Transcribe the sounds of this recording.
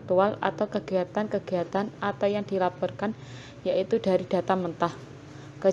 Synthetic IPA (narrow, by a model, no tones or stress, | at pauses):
t̪uala̰t̪awkəɡ̥iat̪ankəɡ̥iat̪anat̪awjaŋdilapɔrkan | jaʔit̪udaɾid̥a̤t̪amənt̪ah | kə